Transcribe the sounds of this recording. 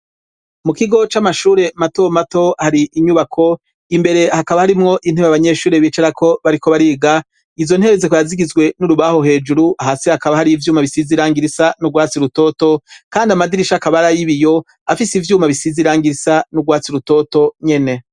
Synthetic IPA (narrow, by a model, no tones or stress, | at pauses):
mukiɡo̞t͡ʃamaʃuːɾe̞mato̞mato̞haɾiʔiɲuβakʰo̞ | imbe̞ɾe̞hakaβahaɾimŋo̞ʔin̥heβeaβaɲe̞ːʃuːɾe̞βiːt͡ʃeɾakʰo̞βaɾiko̞βaɾiːɡa | ivzo̞n̥he̞βezekojaziɡizɡwe̞nuɾuβaho̞ɦe̞ːd͡ʒuɾuʔaɦasihakaβahaɾiivjuːmaβisiziɾaːŋɡiɾisanuɡwaːt͡siɾuto̞ːto̞kaːndiamadiɾiʃakaβaɾajiβijo̞ | afisivjuːmaβisiziɾaːŋɡiɾisanuɡwaːt͡siɾuto̞to̞ɲe̞ne̞